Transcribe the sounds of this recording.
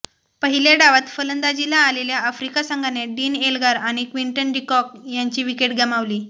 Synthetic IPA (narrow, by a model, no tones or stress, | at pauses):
pəɦileɽaʋat̪fələnd̪ad͡ʑilaːleljaəfɾikasəŋɡʱaneɖiːnelɡaɾaɽ̃ikʋiɳʈənɖikɔk̚jaɲt͡ɕiːʋikeʈɡəmaʋliː